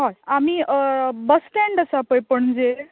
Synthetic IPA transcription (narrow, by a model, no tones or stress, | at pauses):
ɦajamibəsʈeɳɖəsapəjpəɳd͡ze